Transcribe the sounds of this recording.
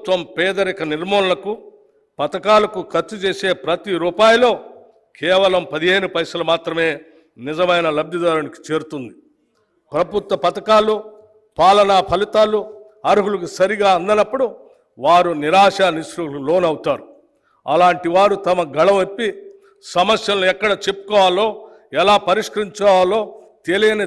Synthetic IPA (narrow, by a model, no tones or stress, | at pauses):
t̪ʋɐmpɛːd̪ɐɾikɐniɾmoːnɐlɐku | pɐt̪ɐkaːlɐkukʰɐɾt͡ʃːut͡ʃeːse̞ːpɾɐt̪iɾuːpaːjlo̞ː | kʰɛːʋɐlɐmpɐd̪iɦeːnupɐjsɐlɐmaːt̪ɾɐme̞ː | nizɐmɐjnɐlɐbj̪ɐd̪aːɾuniki̥t͡ʃe̞ːɾut̪und̪i | pɾɐbut̪ʋɐpɐt̪ɐkaːlu | paːlɐnaːpʰɐlit̪aːlu | ɐɾuɦuluk̬usɐɾiɡaːɐnd̪ɐnɐpːuɽu | ʋaːɾuniɾaːʂaːnisɾulo̞ːnɐwut̪aːɾu | ɐlaːɳʈiʋaːɾut̪ɐmɐɡɐɭɐmepːi | sɐmɐsjɐlnuɛkːɐɽɐt͡ʃe̞pːu̥kɔːaːlːo̞ː | ɛlaːpɐɾiʂkɐɾiɲt͡ʃɔːalːo̞ː | t̪elijɐne